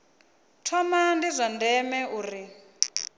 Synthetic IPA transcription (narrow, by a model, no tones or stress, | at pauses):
tʰɔmandizʷandɛmɛʔuːri